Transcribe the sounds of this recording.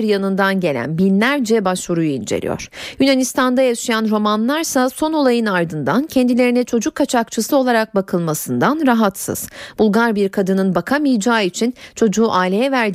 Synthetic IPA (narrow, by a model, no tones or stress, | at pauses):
ɾjanɯnd̪anɟe̞lʲæ̰nbinlʲæɾd͡ʒɛbaʃvuɾujuind͡ʒe̞̰lʲḭjo̰ɾ̥jynanist̪ʰand̪ajaʃijanɾo̞manlˠaɾsaso̞no̞lˠajɯnaɾd̪ɯnd̪ancʰɛnd̪ilʲe̞ɾinɛt͡ʃʰo̞d͡ʒukʰːat͡ʃʰakt͡ʃʰɯsɯo̞lˠaɾak̚bakʰɯlˠmasɯnd̪anɾaɦat̪sɯ̰z̥b̥ulˠɡaɾbiɾkʰad̪ɯnɯnbakʰamɯjd͡ʒaːit͡ʃʰint͡ʃʰo̞d͡ʒuːʔaːlʲejɛvæɾd̪